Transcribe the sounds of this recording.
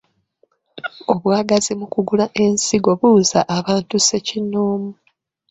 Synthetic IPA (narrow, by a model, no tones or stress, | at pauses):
o̞βwaːɡazimukuɡulaʔe̞nsiɡo̞βuzaʔːβaːntuse̞cinoːmu